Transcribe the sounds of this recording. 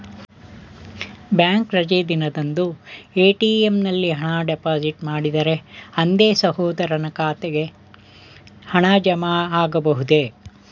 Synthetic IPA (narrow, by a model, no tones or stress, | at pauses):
bjaːŋkɾɐd͡ʒed̪inɐd̪ɐnd̪ueːʈiːemnɐlːiɦɐɳaːɖepaːd͡ʒiʈmaːɽid̪ɐɾe̞ɐnd̪eːsɐhɔːd̪ɐɾɐnɐkaːt̪eɡe | hɐɳaːd͡ʒɐmaːaːɡɐbɐɦud̪e̞